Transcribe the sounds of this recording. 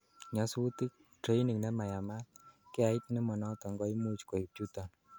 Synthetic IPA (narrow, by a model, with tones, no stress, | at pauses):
ɲa˨su˦u˦ti˦k̚ | tɾe˦jni˨ŋnɛ˦ma˨ja˨ma˦tkɛ˦a˨i˦t̪nɛ˦mɔ˨nɔ˦tɔ˨ŋɡɔ˦i˦mu˦t͡ʃko˨i˨p̚t͡ʃu˦ta˨n